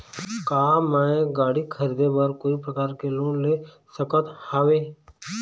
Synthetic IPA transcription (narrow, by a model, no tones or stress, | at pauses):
kaːmɛ̃ːɡaːɽikʰəɾiːd̪ebɐɾkoːipɾəkaːɾkeloːnle | səkət̪haːʋeː